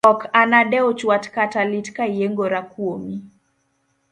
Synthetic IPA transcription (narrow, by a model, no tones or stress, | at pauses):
ɔkanaɗɛɔt͡ʃwatkatalitkaijɛŋɡɔɾakuɔmi